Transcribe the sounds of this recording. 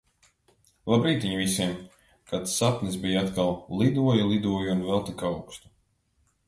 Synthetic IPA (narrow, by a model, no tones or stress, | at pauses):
lˠabɾiːt̪ʲviɲvisiɛm | kat̪satnɨsbijat̪kalˠlˠid̪uɔjulˠid̪uɔjunvɛlˠt̪ikawkst̪u̥